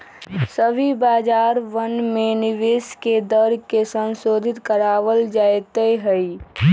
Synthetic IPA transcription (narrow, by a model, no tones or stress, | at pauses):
səbʱibaːd͡ʒaːɾʋənmenɪʋeːsked̪əɾkesə̃nsoːd̪ʱɪt̪kəɾaːʋəld͡ʒaːet̪eɦəi